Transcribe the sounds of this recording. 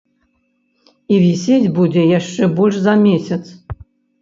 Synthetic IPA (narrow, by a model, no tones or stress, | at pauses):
ivʲisʲed͡zʲbud͡zʲɛjaʂt͡ʂɛbɔlʲʂzɐmʲesʲɐt̪s